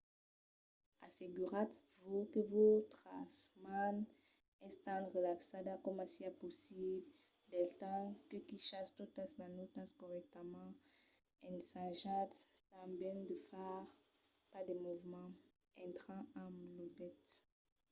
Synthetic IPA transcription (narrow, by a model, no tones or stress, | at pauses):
aseɡyʁat̪vukəvot̪χasman | ɛ̃st̪ɑ̃dʁəlaksad̪akɔmasiaposibl | d̪ɛlt̪ɑ̃kəkiʃast̪ot̪asnãnot̪ãskɔʁɛk̚t̪amɑ̃ | ɛ̃nsãʒãt̪t̪ãbjɛnd̪əfaʁ | pad̪ɛmuvmɑ̃ | ɛ̃nt̪ʁãamlod̪ɛt̪